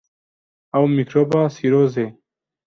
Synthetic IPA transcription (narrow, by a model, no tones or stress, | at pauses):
awmikɾoːbaːsiɾoːze